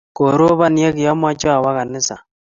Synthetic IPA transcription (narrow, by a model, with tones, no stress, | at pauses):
ko˨ɾo˦βa˦nje˦kjɔ˦ma˦t͡ʃɔ˦a˨wa˦ɣa˨nɪ˦sa̰˨